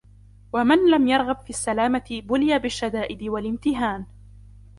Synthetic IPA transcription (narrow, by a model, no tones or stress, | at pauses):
wamɪnlamjɑɾˤɣabfiːasːalaːmat̪ɪbʊlɪjabɪʃːad̪aːʔɪd̪ɪwalɪmt̪ɪɦaːn